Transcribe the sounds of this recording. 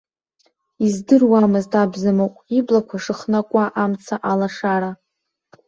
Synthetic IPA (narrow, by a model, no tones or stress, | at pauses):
izdɨrwamɨztʰabzamowkʷʼiblakʷʰaʂɨχnakʷʼaʔamt͡sʰaʔalaʂaɾa